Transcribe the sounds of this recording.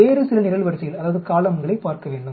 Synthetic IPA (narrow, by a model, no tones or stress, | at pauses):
eːɾɯsɪlɐnɪɾɐlʋɐɾɯsɐjɪlɐðaːʋɐðɯkaːlɐmɡɐɭɐɪpːaːɾkɐʋeːɳɖɯ